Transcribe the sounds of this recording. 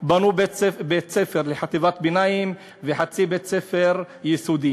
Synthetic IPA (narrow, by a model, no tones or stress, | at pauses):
banubebett͡sefeʁleħat̪ivat̪̚binajim | veħat͡sibet̪sefeʁ | jesud̪i